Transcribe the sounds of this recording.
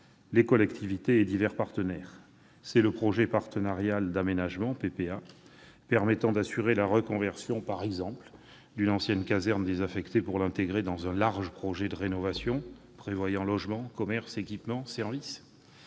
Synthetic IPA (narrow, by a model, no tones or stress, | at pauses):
lekɔlɛkt̪ʰivit̪eːd̪ivɛʁpaʁt̪ənɛʁ | sɛləpχɔʒepaʁt̪ənaʁjald̪amenaʒmɑ̃pepea | pɛʁmɛt̪ɑ̃d̪asyʁelaʁəkɔ̃vɛʁsjɔ̃paʁɛɡzɑ̃pl | d̪ynɑ̃sjɛnkazɛʁnd̪ezafɛkt̪epuʁlɛ̃t̪eɡʁed̪ɑ̃zɛ̃laʁʒəpχɔʒed̪əʁenɔvasjɔ̃ | pχevwajɑ̃lɔʒmɑ̃kɔmɛʁsekʲipmɑ̃sɛʁvis